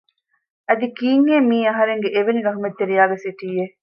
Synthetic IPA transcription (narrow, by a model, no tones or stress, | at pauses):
ɐd̪ikiːŋheːmiːɐɦɐɾeŋɡeʔeʋeniɡɐɦumet̪ːeɾijaːɡesiʈiːe